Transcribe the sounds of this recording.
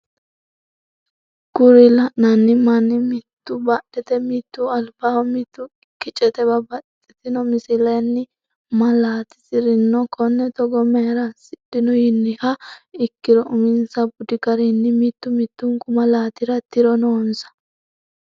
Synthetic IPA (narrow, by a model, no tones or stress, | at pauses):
ɡ̥ʊɾɪlɐʔnɐnːɪmɐnːɪmɪt̪ːʊbɐɗɛt̪ɛmɪt̪ːuɐlbawmit̪ːʊɪkːɪt͡ʃʼɛt̪ɛbɐbɐtʼːɪt̪ɪnɔmɪsɪlɐnːɪ | mɐlaːt̪ɪ̥sɪɾɪnːɔkʰɔnːɛt̪ɔɡɔmeɾɐsɪɗɪnɔjɪnːɪhɐɪkːɪɾɔʔʊmɪnsɐbʊd̪ɪkɐɾɛnːɪmit̪ːʊmɪt̪ːʊŋkʊmɐlaːt̪ɪɾɐt̪ɪɾɔnoːnsɐ̥